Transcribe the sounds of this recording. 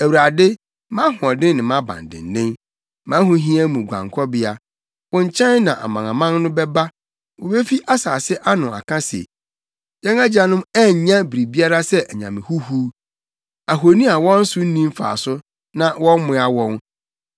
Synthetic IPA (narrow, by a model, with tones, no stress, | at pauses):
æ˨wu˨ɾa˨dɪ˦ | mã˦ɦʊ̃˨ɔ˨dɪ̃˦n˦nɪ̃˨mã˦bã̰˨n˨dɪ̰̃˨n˨˦nɪ̃˦n | mã˨˦ɦʊ̃˨ɦĩ˦æ˦mũ˨ɡʷã̰˨ŋkʰɔ˦bɪ˦a˦ | wɔ̃˦ɲ̩˦t͡ɕʰɛ̃˦nnã˨ʔa̰˨mã˨ŋã˨mã˦nː˦ʊ̃˦bɛ˦ba˦ | wɔ˨be˦fi˦ʔa˦sa̰ː˨sɪ˦ʔa˦nʊ̃˨a̰˨kʰã˦sḛ˨ | jɛ̃˦na˦d͡ʑa˨nʊ̃˦mɛ˦ɲ˨ɲã˦bi˨ɾi˨bi˦a˦ɾa˦sɛ˦ʔæ˨ɲã̰˨mɪ̃˨hu˦hu˦ | a˨ɦo˨nĩ˦a˨wɔ̃˦n̩˦sʊ˦n̩˦nĩ˦m˦fa̰ː˨sʊ˦ | nã˦wɔ̃˦n˦mʊ̃˦a˦wɔ̃˦n